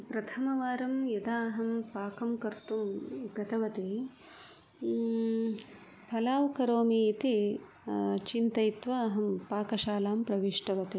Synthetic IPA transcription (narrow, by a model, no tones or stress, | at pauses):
pɾɐt̪ʰɐmɐʋaːɾɐmjɐd̪aːɦɐmpaːkɐmkɐɾt̪umɡɐt̪ɐʋɐt̪e | pʰɐlaːʋkɐɾoːmiːt̪i | t͡ʃint̪ɐjit̪ʋaːɐɦɐmpaːkɐʃaːlaːmpɾɐʋiʂʈɐʋɐt̪e